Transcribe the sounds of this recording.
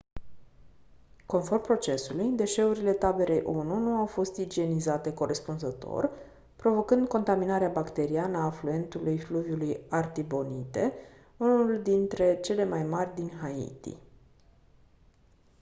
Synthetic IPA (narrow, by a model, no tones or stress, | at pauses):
ko̞nfo̞rmpɾo̞t͡ʃe̞sulujd̪e̞ʃe̞uɾile̞t̪abe̞ɾʔejʔununuawfo̞st̪id͡ʒie̞nizat̪e̞ko̞ɾʔe̞spunzət̪o̞̰r | pɾo̞vo̞kɨnd̪ko̞nt̪aminaɾeabakt̪e̞ɾianəaːflue̞nt̪ulujfluvjulujart̪ibo̞nit̪e̞̰ | unuld̪int̪ɾe̞t͡ʃe̞le̞majmarʲd̪inhaḭt̪ḭ